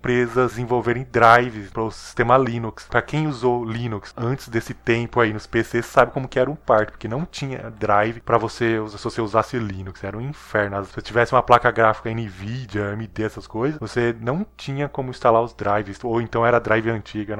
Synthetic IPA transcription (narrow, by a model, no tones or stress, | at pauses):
pɾezɐzẽvowveɾẽj̃d̪ɾajvɪspɾɐʊsi̥st̪ẽmɐlĩnukspɾɐkẽj̃uzowlĩnuksɐ̃nt͡ʃɪ̥zd̪esɪt̪ẽmpʊainʊspesesːabɪkõmʊkɪɛɾɐũpaɾkɪpoɾkenɐ̃w̃t͡ʃĩɲɐ̰d̪ɾajvɪpɾɐvoseuzsɪvoseuzasɪlĩnuksɛɾɐũĩfɛɾnʊɐsset͡ʃivɛsɪũmɐplakɐɡɾafi̥kɐĩnivid͡ʒiɐemid̪eɛsɐskojzɐsvosenɐ̃w̃t͡ʃĩɲɐkõmʊĩst̪alaɾʊzd̪ɾajvɪsowẽnt̪ɐ̃w̃ɛɾɐd̪ɾajvɪɐ̃nt͡ʃiɡɐ